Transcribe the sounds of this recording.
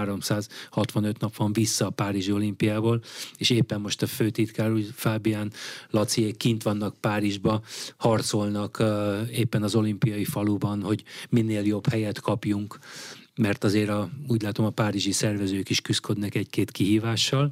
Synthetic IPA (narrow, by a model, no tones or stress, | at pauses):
ɾo̞msaːzhɒt̪ʋɒnøt̪nɒpʋɒɱvisːɒːpaːɾiʒio̞limpijaːboːleːʃeːpːɛmːo̞ʃt̪ɒføːt̪it̪kaːɾuːfaːbijaːnlɒt̪sieːkint̪ʋɒnːɒk̚paːɾiʒbɒhɒrt̪so̞lnɒkeːpːɛnɒzo̞limpijɒjifɒlubɒnho̞ɟminːeːljo̞bhɛjɛt̪kʰɒpjuŋk | mɛrt̪ɒzeːɾɒuːɟlaːt̪o̞mɒpaːɾiʒisɛrvɛzøːkiʃkyskø̞d̪nɛkɛckeːt̪kiɦiːvaːʃːɒl